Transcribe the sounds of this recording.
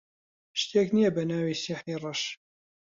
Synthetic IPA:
ʃt̪eːknijɐbɐnaːwiːsiħiːrˤɑʃ

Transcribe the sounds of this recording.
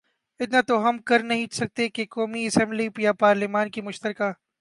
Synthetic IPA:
ɪt̪nat̪oɦɐmkɐɾnɐɦĩsɐk̚t̪ekekɔːmiɐsɛ̃mblipjapaːɾlimaːnkimʊʃt̪əɾkaː

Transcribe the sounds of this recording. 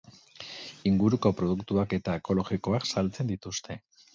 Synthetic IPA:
iŋɡuɾuko̞pɾo̞ð̞ukt̪uake̞t̪aeko̞lo̞ɣiko̞aksalt͡se̞nd̪it̪ust̪e̞

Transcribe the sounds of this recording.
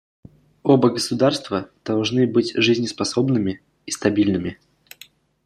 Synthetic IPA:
obəɡəsʊd̪arst̪vəd̪̥ɐlˠʐnɨbɨtʲʐɨzʲnʲɪspɐsobnɨmʲɪ | ist̪ɐbʲilʲnɨmʲɪ

